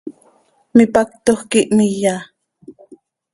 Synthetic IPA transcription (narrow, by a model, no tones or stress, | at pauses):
mipak̚t̪ohkiʔmija